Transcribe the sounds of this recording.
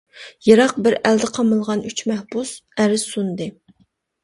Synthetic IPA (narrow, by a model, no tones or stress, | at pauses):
jɑɾɑq̚bɪɾæld̪ɪqʰɑmɨlˠʁɑnyt͡ʃmɛhbusæɾɪzsund̪ɨ